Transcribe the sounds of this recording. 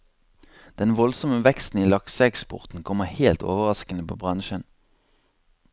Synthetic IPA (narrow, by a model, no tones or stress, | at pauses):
d̪̥ɛnʋɔlsɔməʋɛkst̪n̩iːlɑksəɛkspɔ̰ʁt̪n̩kʰɔməʁheːlt̪o̰ːʋəʁɑskənəpʰo̰ːbʁɑnʃən